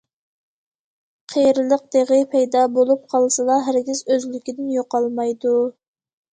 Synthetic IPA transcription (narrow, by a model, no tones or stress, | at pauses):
qʰejɾɨlˠəq̚d̪̥eʁəpʰɛjd̪ɑbolˠup̚qʰɑlˠsɨlˠɑɦæɾɡʲizøzlykʲid̪ɪnjoqɑlˠmɑjd̪u